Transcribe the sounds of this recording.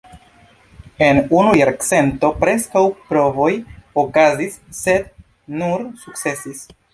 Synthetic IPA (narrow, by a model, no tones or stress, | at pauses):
e̞nunujaɾkt͡se̞nto̞pɾe̞skawpɾo̞vo̞jokazisːe̞d̚ | nuɾsuk̚t͡se̞sis